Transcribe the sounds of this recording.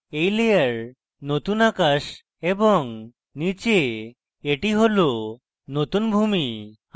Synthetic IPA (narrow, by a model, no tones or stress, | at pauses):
ejlejaɾ | not̪unakaʃ | ebɔŋ | nit͡ɕe | eʈiɦolo | not̪unbʱumi